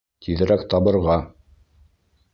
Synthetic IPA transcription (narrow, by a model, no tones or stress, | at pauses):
t̪ʰiðɘ̆ɾækt̪ɑbɤ̆ɾʁɑ